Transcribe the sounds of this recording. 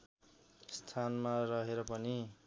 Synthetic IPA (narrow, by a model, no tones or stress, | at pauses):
st̪ʰanmarʌɦeɾʌpʌni